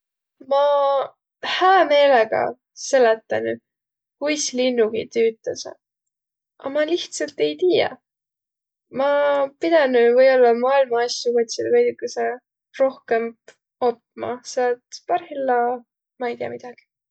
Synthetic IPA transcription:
mɑ | hæːme̞ːleɡ̥ɑ̰ | se̞let̪ːˑɑny | kujslinːuɡ̥ḭt̪yːt̪ːˑɑsḛ | ʔɑ̰mɑliht̪sɑlt̪e̞jt̪iːjɑ̰ | mɑpid̪̥ɑnyvɤjo̞lːɑmɑːilmɑɑsjukot̪ʲsid̪ɤjd̪ykːuse | ro̞hkem | ot̚mɑ̰sɑt̪pɑrhilːɑ | mɑejt̪iɑ̰mid̪̥ɑɡ̥i̥

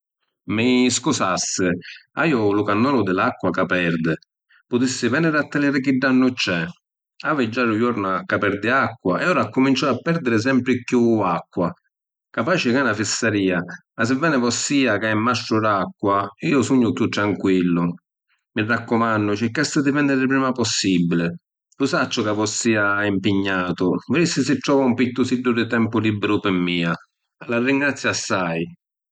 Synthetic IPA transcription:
mɪskusasːɪa̰iːʊlʊkanːɔːnʊd̪ɪlakːwakapɛɾd̪ɪ | pʊt̪isːɪvɛnɪɾat̪ːɪlɛːɾɪk̟iɖːanːʊt͡ʃːɛ | avɪd͡ʒːaɾʊjɔɾnʊakːapɛɾd̪ɪakːwaɛɔːɾakːʊmint͡ʃɔapːɛɾd̪ɪɾɪs̬ɛmpɾɪkjuakːwa | kapaːt͡ʃɪkanafisːaɾiːamas̬ɪvːɛːnɪvɔsːiːakaɛmːast̪ɾʊɾakːwaiːʊsuɲːʊkjut̪ːɾaŋkwilːʊ | mɪrːakːʊmanːʊt͡ʃɪkːast̪ːɪd̪ɪvɛnːɛɾɪpɾiːmapɔsːibːilɪ | pusat͡ʃːʊkavɔsːiːaimpɪɲːaːt̪ʊvɾisɪsɪʈ̪ːɾɔːvaumpit̪ːʊsidːʊd̪ɪt̪ɛmpʊlibːɪɾʊpɪmːiːa | alarːiŋɡɾat̪sjasːaj

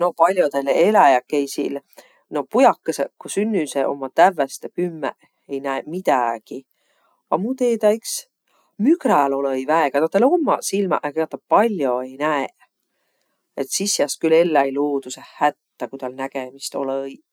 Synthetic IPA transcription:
no̞pɑlʲjot̪elelæjɑkːejsḭl | no̞pujɑkːesekːosynːyseʔo̞̰mːɑt̪ævːest̪epymːḛ | ejnæemit̪æɡ̥i | ɑ̰mut̪eːt̪æiks | mykɾælo̞lɤjvæeɡɑt̪ɑt̪ːˑelomːɑ̰silmɑ̰ʔekeɑt̪ːˑɑpɑlʲjo̞e̞jnæe | e̞t̪sisjɑst̪kyle̞lːæjloːd̪usehæt̪ːækut̪ɑlnæɡ̥emist̪o̞̰lj

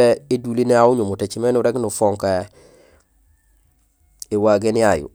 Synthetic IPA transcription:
eedulineauɲumutet͡ʃimenuɾeknufoŋka | ewaɡenajṵ

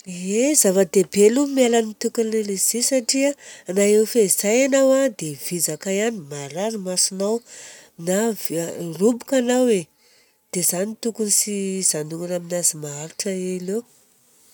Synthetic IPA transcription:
ezavad̪ebelumialanit̪ukunlelez̥isaʈ͡ʂiaanaewfeizajanawad̪ev̥izakajanimaɾaɾimasinawnavrubu̥kanawe | d̪̥ezanit̪ukunisiz̥anuŋunaminazimaaɾuʈ͡ʂəelew

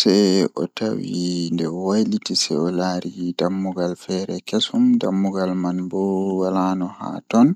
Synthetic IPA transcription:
sɛɔ̰tawindɛwajlitisɛɔlaɾidamːuɡalfɛɾɛkesumdamːuɡalmanbɔwalanɔha̰tɔn

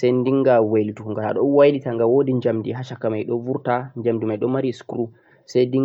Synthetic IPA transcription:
sajndiŋɡaweltukuŋɡaa̰ɗɔnwajɗitaŋɡawodiɲd͡ʒamdiɦaʃakːamajɗɔvuɾtaɲd͡ʒamdimajɗɔmaɾiskɾu | sajdi

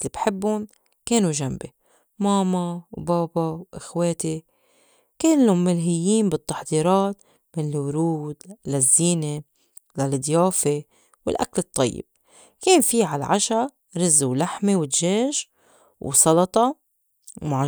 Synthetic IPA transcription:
libħɪbːʊn | keːnuʒambe | mɑːmawbɑːbɑwʔɪxweːt̪i | keːnːʊmːɪlɦɪjːiːmbɪt̪ːɑħd̪iːɾɑːt̪ | mɪnɪlwɾuːd̪lazːiːne | lald̪ˤjɑːfe | wɪ̰lʔa̰klɨt̪ˤːɑ̰jːɪ̰b̥̚ | keːnfiːʕala̰ʕaʃa | ɾɪzːuwlaħmewɪt̪ʒeːʒ | wsˤɑlɑt̪ˤɑ | mʕa

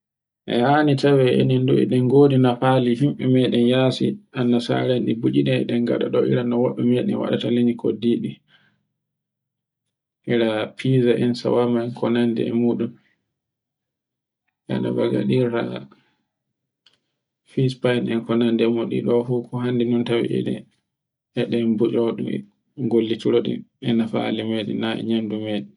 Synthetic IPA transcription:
ʔɛ̰hanitawɛḛninduɛ̰ɗɛŋɡodinapaliɦimɓɛmɛɗɛnjasḭʔanːasa̰ɾanɗibud͡ʒinɛɛ̰ɗɛnɡa̰ɗa̰ɗɔʔḭɾanɔwaɗumɛɗɛ̰nwa̰ɗataleɲikʰo̰diːɗi | ʔiɾapʰiːzaʔɛnsa̰wamaɛnkʰɔnandɛ̰ɛ̰muːɗum | ʔɛ̰nɔ̰baɡa̰ɗiɾa̰ | fispajnɛnkɔnandɛɛmuɗḭɗɔfukʰɔɦandinɔntawḭʔɛ̰ɗɛ̰ | ɛɗɛmbud͡ʒɔwɗṵmɛ̰ | ɡolːituɾoɗḭɛnafaalimeɗḭnaɛ̰ɲamdumeːɗi

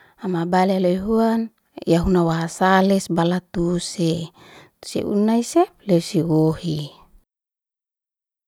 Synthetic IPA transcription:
amabalialeɦuan | jaɦunawaɦasalɛsbalat̪use | t̪u̥sḛʔṵnaiselɛusiwohi

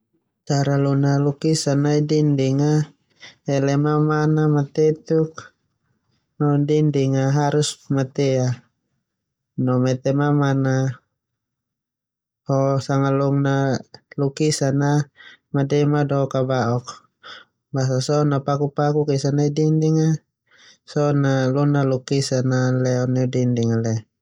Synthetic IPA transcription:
t͡ʃaɾalunalukisanaidindiŋa | ɛlɛmamanamat̪ɛt̪uk̚ | nɔdindiŋaɦaɾusmat̪ɛa | nɔmɛt̪ɛmamana | hɔsaŋalɔŋnalukisanamadɛmadɔɔkabaɔk̚ | bas̬asɔnapakupakukisanaidindiŋa | sɔnalɔnalukisanalɛɔnɛɔdindiŋalɛ

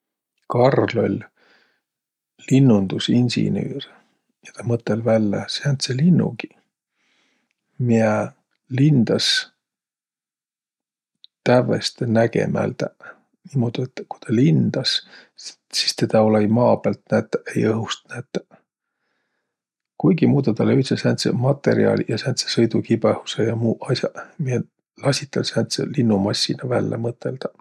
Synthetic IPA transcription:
kɑrlo̞lʲ | linːund̪̥usinʲsḭny̰ːr | jɑt̪ɑmɤt̪ːˑelvælʲːeseɑnt̪selinːṵɡi̥ | mie | lind̪̥ɑs | t̪ævḛst̪enæɡḛmæ̰lt̪æ | nimo̞d̪̥iet̪ːku̥jt̪ɑlind̪̥ɑs | si̥st̪e̞d̪̥ɑolejmɑːb̥ælt̪næt̪ːˑæʔejɤɦust̪̚næt̪ːˑæ̥ | kujɡimuːd̪ɑt̪ɑlːeyt̪sesænt̪sḛmɑt̪ːe̞̰ɾḭɑ̰lʲjɑsænt̪se̥sɤjd̪ukibehu̥sejɑmuːʔɑsjɑ̰mie | lɑsʲit̪ːˑɑlsænt̪sḛlinːumɑsʲːinɑvælːḛmɤt̪ːˑe̞ld̪̥ɑ̥

